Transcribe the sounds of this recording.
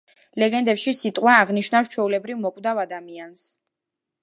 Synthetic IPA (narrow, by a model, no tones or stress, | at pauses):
lɛɡɛnd̪ɛpʃisit̪ʼqʼwaːʁniʃnafst͡ʃʰwɛulɛbɾivmɔkʼvd̪avad̪amians